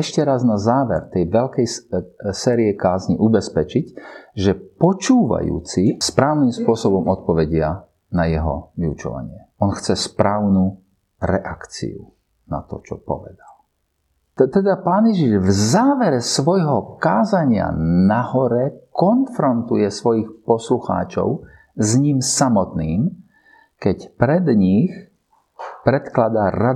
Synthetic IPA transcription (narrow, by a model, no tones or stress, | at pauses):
ɛʃcɛɾaznazaːʋɛɾt̪ɛjʋɛʎkɛjsɛːɾiɛkaːzɲḭʔubɛspɛt͡ʃicʒɛpɔt͡ʃuːʋa̰jṵːt͡sispɾaːʊnimspʊɔsɔbɔmɔt̪̚pɔʋɛɟɪa | najɛɦɔ̰ʋiut͡ʃɔ̰ʋa̰ɲɪɛ | ɔnxt͡sɛspɾaːʊnu | ɾɛʔakt͡sḭṵ | na̰t̪ɔ̰t͡ʃɔpɔ̰ʋɛd̪al | t̪ɛd̪apaːnjɛʒiʒvzaːʋɛɾɛsʋɔjɦɔkaːzaɲɪa̰nahɔɾɛkɔnfɾɔnt̪ujɛsʋɔjixpɔsluxa̰ːt͡ʃɔ̰ʊ | zɲimsamɔt̪niːm | kɛcpɾɛd̪ɲix | pɾɛt̪klad̪aɾa